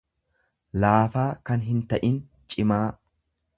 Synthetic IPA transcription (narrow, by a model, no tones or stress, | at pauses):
laːfaːkɐnɦɪnt̪ɐʔɪn | t͡ʃʼɪmaː